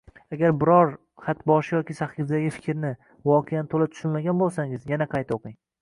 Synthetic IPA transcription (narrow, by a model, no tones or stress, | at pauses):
aɡʲaɾbɪɾɒɾ | χat̪bɒʃɪjɒkʲisaχɪfd̪aɡʲɪfɪ̥kʲʰɾnɪ | vɒqʰejanɪt̪ʰolap̚t̪ʰʊʃʊnmaɡʲanbolˠsaŋɪzjanaqʰɑjt̪oqɪŋ